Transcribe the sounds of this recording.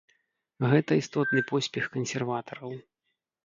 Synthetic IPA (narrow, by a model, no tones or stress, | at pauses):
ɣɛt̪ɐist̪ɔt̪nɨpɔsʲpʲɛxkɐnsʲɛrvat̪ɐɾɐw